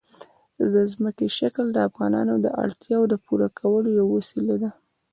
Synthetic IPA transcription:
d̪əzməkeʃakld̪əafɣɑnɑ̰nod̪əʔa̰ɽt̪jɑod̪əpuɾakʰawəlojawawasilad̪a

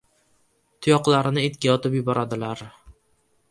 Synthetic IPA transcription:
t̪ʰʊjɒqlˠaɾɪnɪet̪kʲajɒt̪ʰɪpjʊbɒɾad̪ɪlaɾ

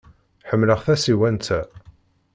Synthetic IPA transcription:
ħəmːləʁθæsiwænt͡s̪æ

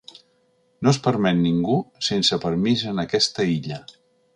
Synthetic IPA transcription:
nospəɾmɛt̪niŋɡusensəpəɾmizənəkɛst̪əiʎə

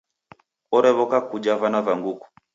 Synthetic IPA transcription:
ɔɾɛβɔkakud͡ʒavanavaŋɡuku̥

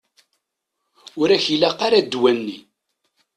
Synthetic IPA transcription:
ʊɾæçilæqːaɾad̪ːwænːi

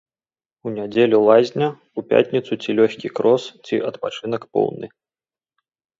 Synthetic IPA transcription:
unʲad͡zʲelʲulˠazʲnʲɐ | upʲa̰tʲnʲit̪sut͡sʲilʲɔxʲkʲikɾɔst͡sʲiʔɐt̪pat͡ʂɨn̪ɐkpɔ̰wnɨ̰

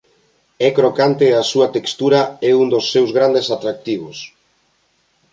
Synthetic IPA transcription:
ɛkɾokant̪easuat̪ekst̪uɾaɛund̪osːewzɣɾand̪esat̪ɾak̚t̪iβ̞os

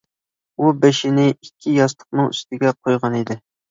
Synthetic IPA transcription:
ubɛʃɪnɪikʲʰːijɑslˠə̥q̚nɨŋyst̪ɪɡʲɛqʰojʁɑnid̪ɪ

